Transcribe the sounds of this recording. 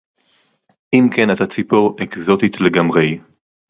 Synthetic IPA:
ʔimkenat̪at͡sipo̞ʁekzo̞t̪it̪le̞ɡamʁe̞j

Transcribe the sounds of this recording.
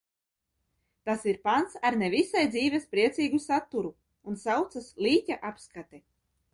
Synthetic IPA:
t̪asiɾpant̪saɾnevisajd̪ziːvɛspɾiɛt̪siːɡusat̪ːuɾu | unsawt̪saslˠiːtʲaʔapskat̪ɛ

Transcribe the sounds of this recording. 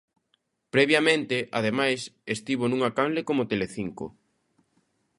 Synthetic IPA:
pɾɛβjamẽnt̪ɪʔað̞emajsest̪iβonũŋakanlekomot̪eleθiŋko̰

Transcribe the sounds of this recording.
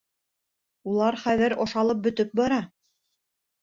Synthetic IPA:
ulˠɑɾχæðɘɾoʃɑlˠɤp̚bɵ̆t̪ɵp̚bɑɾɑ

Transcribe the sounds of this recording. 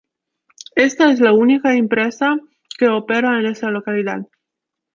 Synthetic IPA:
est̪aezlaunikaempɾesa | ke̞opeɾaenest̪alo̞kaliða̰ð

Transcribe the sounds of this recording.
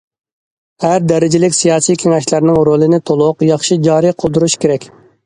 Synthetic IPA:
hæɾd̪ɛɾɪd͡ʒɪlɪkʲsijɑːsijkʲʰeŋɛʃlæɾnɪŋɾolˠɨnɪt̪ʰolˠʊqjɑχʃid͡ʒɑːɾijqʰəlˠd̪uɾuʃkʲʰeɾɛkʲ

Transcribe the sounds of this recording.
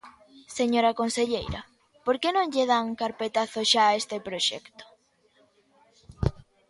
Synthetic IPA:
seɲoɾɐkonseʎejɾɐ̰ | poɾkenõŋʎeðaŋkaɾpet̪aθoʃaːest̪epɾoʃɛ̰kt̪o̥

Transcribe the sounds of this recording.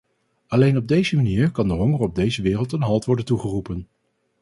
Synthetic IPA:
ɑlejnɔb̚dejzəmaniːɹkɑndəɦɔŋərɔb̚dejzəʋɪːrəlˠtənɦɑlˠtʋɔɹdəntuχərupən

